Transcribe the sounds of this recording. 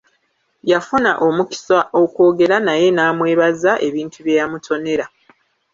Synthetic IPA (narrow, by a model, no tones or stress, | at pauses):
jafunaʔo̞muki̥sao̞kwo̞ːɡe̞ɾanaje̞naːmwe̞ːβazaʔe̞βiːntʰuβjejamutʰo̞ne̞ɾa